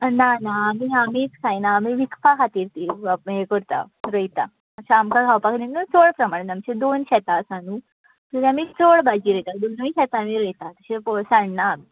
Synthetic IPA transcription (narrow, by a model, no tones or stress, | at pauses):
nanaːmiamiksajnaːmiʋikpakʰat̪iːɾt̪iːaɦekəɾt̪a̰ɾəjt̪a | əɕaːmkaɡʰawpakʰninut͡soɭpɾəmaɽ̃namt͡ɕed̪onɕɛt̪asanu | t̪əɾamiːt͡soɭbad͡ʑiːɾəjt̪ad̪onəiɕɛt̪aːmiɾəjt̪at̪əɕepɔsaɽna